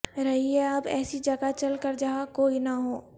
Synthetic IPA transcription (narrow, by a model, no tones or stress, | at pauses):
ɾɐɦiɦɛɐbɛ̰ːsid͡ʒɐɡat͡ʃɐlkəɾd͡ʒɐɦakoːinɐɦoː